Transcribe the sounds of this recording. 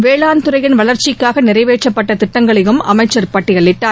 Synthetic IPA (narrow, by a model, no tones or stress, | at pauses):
ʋeːɭaːnt̪ɯɾɐjɪnʋɐɭɐɾt͡ʃɪkːaːɣɐnɪɾɐɪʋeːʈt͡ʃːɐpːɐʈːɐt̪ɪʈːɐŋɡɐɭɪjɯmɐ̰mɐɪt͡ʃːɐɾpɐʈːɪjɐɭːɪʈːaː